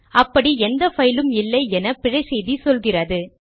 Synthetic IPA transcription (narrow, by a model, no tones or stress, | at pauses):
ɐpːɐɽiɛnd̪ɐfɐjɪlɯmɪlːɐɪɛnɐpɪɻɐɪsɛjðisɔlɣɪrɐðɯ